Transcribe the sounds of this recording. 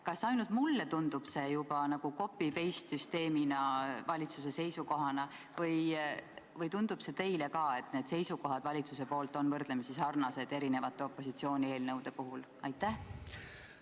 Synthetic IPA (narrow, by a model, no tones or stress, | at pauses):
kɑsːɑjnult̪mulːet̪und̪̥ub̥se̞jub̥ɑnɑɡ̥uko̞pːipe̞jst̪syst̪e̞ːminɑvɑlʲit̪sus̬e̞se̞jsuko̞ɦɑnɑ | vɤj | vɤjt̪und̪̥ub̥se̞t̪e̞jle̞kɑe̞t̪ˑne̞ːd̪̥se̞jsuko̞ɦɑd̪̥vɑlʲit̪sus̬e̞po̞ːlt̪ˑo̞nvɤrd̪̥lemisisɑrnɑse̞d̪̥e̞ɾine̞vɑt̪ˑːe̞o̞pːˑo̞sit̪sio̞ːnʲie̞ːlnɤwd̪̥e̞poɦul | ɑjt̪ːˑæh